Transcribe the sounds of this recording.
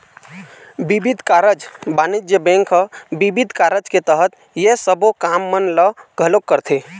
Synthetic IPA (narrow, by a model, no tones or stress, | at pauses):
bibid̪ʱkaɾəd͡ʒbaːnid͡ʒjəbɛ̃ŋkʰəbibid̪ʱkaːɾəd͡ʒket̪əɦət̪ | jesəbokamːənləɡʱəlokːəɾt̪ʰe